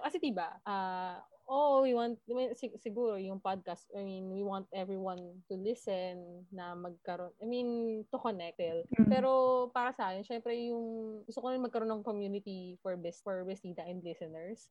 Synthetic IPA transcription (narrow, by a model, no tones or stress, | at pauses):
kɐsɛd̪iːbaʔaʔowiwant̪̚minsɪsɪɡuːɾojʊŋpad̪̚kast̪ʔajminwiwãnt̪̚ʔɛvɹiwɐnt̪ʊlɪsɛnːɐmɐɡ̚kɐɾo̞nʔɐjmĩnt̪ʊkonɛk̚t̪ɛlpɛːɾo̞paːɾɐsɐʔaːjɪnʃɛmpɾɛjʊŋɡʊst̪ʊkonamɪ̃nmɐɡ̚kɐɾo̞nːɐŋkomjuːnɪt̪ifɔɹbɛsfɔɹbɛsiːt̪ɐʔɛ̃nd̪lɪsɛnɛɹs